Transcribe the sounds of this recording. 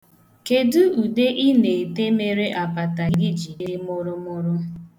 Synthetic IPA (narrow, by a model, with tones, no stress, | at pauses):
ke˨dʊ˦u˨de˦ʔi˦ne˨e˨te˦me˦ɾe˦ʔa˨pa˨ta˨ɡɪ˦d͡ʒi˨de˦mʊ˦ɾʊ˦mʊ˦ɾʊ˦